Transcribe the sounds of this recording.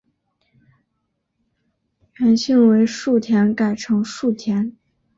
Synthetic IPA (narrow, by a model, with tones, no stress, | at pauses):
a˧˥nɕi˥˩ŋwe˧˥ɪʂu˥˩t̪ʰjɛ˧˥nka˨˩ɪʈ͡ʂʰɤ˧˥ŋʂu˥˩t̪ʰjɛ˧˥n